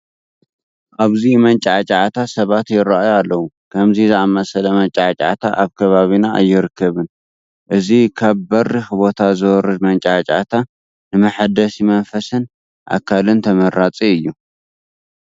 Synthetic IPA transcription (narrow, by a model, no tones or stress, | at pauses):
ʔaβzimɐnt͡ʃʼʕat͡ʃʼat̪ʰasɐβat̪jɪɾaʔajalːɐwu | kʰɐmzizɨamɐsɐlɐmɐnt͡ʃʼaʕat͡ʃʼa̰t̪ʰaʔaβkʰɐβaβinaa̰jːɪɾɨkʰːɐβɨn | ʔɨzikʰaβbɐrːixɨbo̞t̪ʰazɨwɔɾɨd̪mɐnt͡ʃʼʕat͡ʃʼa̰t̪ʰa | nɨmɐħad̪ɐsimɐnfɐsɨn | ʔa̰kʰːalɨnt̪ʰɐmɐɾːat͡sʼiɨjːu